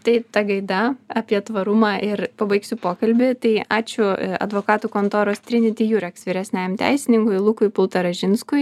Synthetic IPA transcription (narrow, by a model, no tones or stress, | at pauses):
t̪ɐɪt̪ɐɡɐɪd̪ɐɐpʲiɛt̪ʋɐɾʊmɑːʔɪɾpɐbɐɪksʲʊpoːkɐlʲbʲɪt̪ɐɪɑːt͡ʃʲʊɐ̰d̪ʋoːkɑːt̪uːkoːnt̪oːɾoːst̪ʲɾʲɪnʲɪt̪ʲɪjuːɾʲɛksʋʲiːɾʲɛsʲnʲɛjmt̪ʲæ̰ɪsʲɪnʲɪŋkʊɪlˠʊkʊɪpʊlˠt̪ɐɾɐʒʲɪnskʊɪ